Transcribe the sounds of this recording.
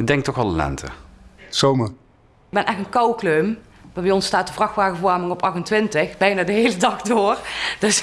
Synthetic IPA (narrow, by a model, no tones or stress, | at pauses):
dɛŋk̚tɔxɑləlɛ̰ntʰə̰sowmə | bɛnʔɛxtənkɑwkløːm | ʋɑʋiːɔnstaːtəvrɑxtʋaːɣəvaɹmɪŋɔpɑxtəntʋɪntəxbɛjnaːdəɦejlədɑxdoːrd̥ɵs